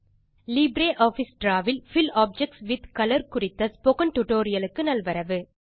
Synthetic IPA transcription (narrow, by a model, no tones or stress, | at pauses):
lɪbɾeːʔaːfɪsʈɾaːʋɪlfɪlaːp̚d͡ʒɛk̚ʈsʋɪd̪kɐlɐɾkʊrɪt̪ːɐspokɐnʈʊʈoːɾɪjɐlɯkːɯnɐlʋɐɾɐʋɯ